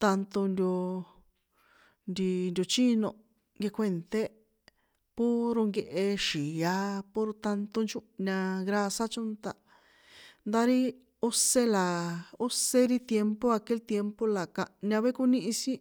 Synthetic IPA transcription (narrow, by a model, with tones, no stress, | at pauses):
t̪a˧nt̪o˧nd̪ʲo˧ | nd̪i˧nd̪ʲo˧t͡ʃi˦nõ˧ | ŋɡe˧kʷe˧nt̪e˦ | po˦ɾo˧ŋɡe˧ʔe˧ʃi˨a˧po˧ɾt̪a˧nt̪o˧nt͡ʃu˦ʔɲã˧ɣɾa˧sa˦t͡ʃo˦nt̪a˧ | nd̪a˧ɾi˦ | u˦se˦la˨o˦se˦ɾi˦t̪je˧mpo˦a˧ke˦lt̪je˧mpo˦la˨kã˨ɲã˧βe˦ku˧nĩ˦ʔĩ˧si˦